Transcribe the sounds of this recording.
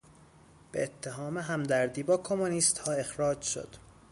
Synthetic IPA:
b̥ḛːt̪ʰːe̞ɦɒːmeɦæmd̪æɾd̪iːbɒːkʰo̞muniːst̪hɒːe̞xɾɒːd͡ʒʃo̰d̪̥

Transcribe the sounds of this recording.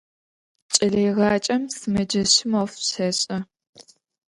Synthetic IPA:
t͡ʃʼɐɮejʁɑːt͡ʃʼɐmsɨmɐd͡ʒɐɕɪmɐfɕɐɕʼɐ

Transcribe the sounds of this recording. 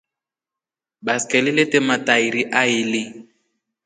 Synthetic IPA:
baskɛliletɛmataiɾiʔaɪli

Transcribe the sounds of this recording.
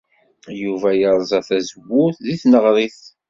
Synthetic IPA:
juvæjəɾˤzˤɑθæzəwːʊθðiθnəʁɾˤiθ

